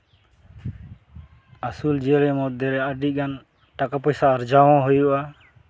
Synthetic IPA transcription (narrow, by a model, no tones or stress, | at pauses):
asuld͡ʒɛɾɛmɔt̪̚d̪ɛɾɛəɖiʔ̚ɡan | ʈakapɔjsaːɾd͡ʒawɔ̃ɦujuʔa